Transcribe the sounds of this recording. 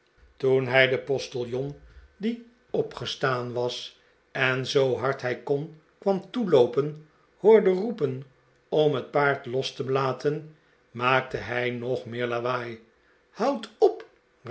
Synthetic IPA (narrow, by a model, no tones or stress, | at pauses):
tunɦɛjdəpɔstəlˠjɔndi | ɔpχəstaːnʋɑs | ɛnzowɦɑɹtɦɛjkɔn | kʋɑmtulowpən | hʊːɹdərupən | ɔmɦət̚paːɹtlɔstəbəlaːtʰən | maːk̚təɦɛjnɔχmɪːɹlaʋaːj | hɑwtɔp